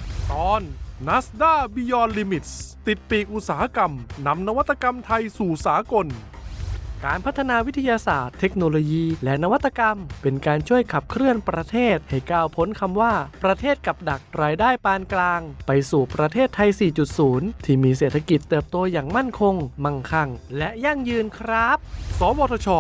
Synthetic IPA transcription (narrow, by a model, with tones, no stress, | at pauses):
t̪ɔː˧nːa˦˥sdaː˥˩biː˧jɔː˧nliː˧mi˨˩t̪̚st̪i˨˩t̪̚piː˨˩ʔu˨˧˩saː˩˦ha˦˧˥ka˧mna˧˥mna˧wa˦˥t̪ːa˧ka˧mt̪ʰa˧jsuː˨˩saː˩˦ko˧n | ka̰ː˧npʰa˦˥t̪ʰːa˧naː˧wi˦˥t̪ʰːa˧jaː˧saː˨˩t̪ʰːe˦˥k̚noː˧loː˧jiː˧lɛ˦˥na˧wa˦˥t̪ʰːa˧ka˧mpe˧nkaː˧nt͡ɕʰu˥˩əjkʰa˨˩p̚kʰɾɯ˥˩ənpɾa˧t̪ʰeː˥˩t̪̚ha˧˩jkaː˧˩wpʰo˦˥nkʰa˧mwaː˥˩pɾa˧t̪ʰeː˥˩t̪̚ka˨˩p̚da˨˩k̚ɾaː˧jdaː˥˩jpaː˧nklaː˧ŋpa˧jsuː˨˩pɾa˧t̪ʰeː˥˩t̪ʰːa˧jsiː˨˩t͡ɕu˨˩t̪̚suː˩˦nt̪ʰiː˥˩miː˧seː˨˩t̪ʰa˧ki˨˩t̪ːɯː˨˩p̚t̪oː˧jaː˨˩ŋma˥˩nkʰo˧ŋma˧˩ŋkʰa˧˩ŋlɛ˦˥ʔja˥˩ŋjɯː˧nkʰɾa˦˥p̚sɔː˨˦wɔː˧t̪ʰɔː˧t͡ɕʰɔː˧